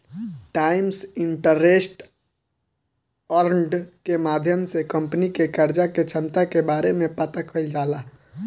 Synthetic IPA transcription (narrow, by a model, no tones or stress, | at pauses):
ʈaɪmsiɳʈəɾesʈ | əɾɳɖkemad̪ʱjəmsekəmpnikekəɾd͡ʒaket͡ʃʰənt̪akebaɾemepət̪akʰəjld͡ʒala